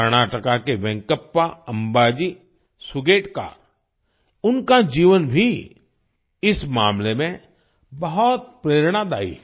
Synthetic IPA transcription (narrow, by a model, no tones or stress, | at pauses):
ɾñaːʈəkakeʋɛ̃ŋkəpːaɐ̃mbaːd͡ʒi | sʊɡeːʈka̰ː | ʊnkad͡ʒiːʋənbʱi | ɪsmaːmlemẽ | bɐɦɔt̪̚pɾeːɾɽ̃ad̪aːḭː